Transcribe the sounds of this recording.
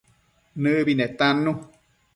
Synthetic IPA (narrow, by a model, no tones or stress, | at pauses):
nɨ̃βinɛ̃t̪ãnũ